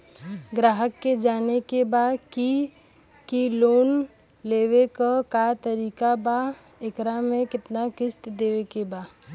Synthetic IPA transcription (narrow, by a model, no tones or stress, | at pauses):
ɡɾaːɦəkːed͡ʒaːnekebaːki | kiloːn | leːʋekakat̪əɾiːkaba | ekɾamẽkɪt̪nakɪst̪d̪eːʋekebaː